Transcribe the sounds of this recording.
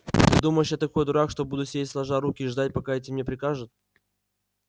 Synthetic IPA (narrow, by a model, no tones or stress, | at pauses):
t̪ɨd̪uməjɪʂɐt̪ɐko̞jd̪ʊɾakʂt̪o̞bud̪ʊsʲetʲslˠɐʐaɾukʲɪːʐd̪at̚ʲpɐkaɛtʲɪmnʲepɾʲɪkaʐʊt̪̚